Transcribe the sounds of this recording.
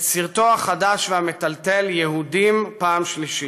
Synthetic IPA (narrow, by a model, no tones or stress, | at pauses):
t͡siʁt̪oaχadaʃveamet̪alt̪e̞ljehudimpaːmʃliʃi